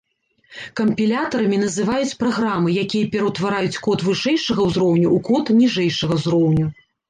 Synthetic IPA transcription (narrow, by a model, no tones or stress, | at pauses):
kɐmpʲilʲat̪ɐɾɐmʲinɐzɨvajut͡sʲpɾaɣɾamɨjakʲijɐpʲɛɾɐwt̪vaɾajut͡sʲkɔt̪vɨʂɛjʂɐɣɐwzɾɔwnʲuukɔt̪nʲiʐɛjʂɐɣɐzɾɔwnʲu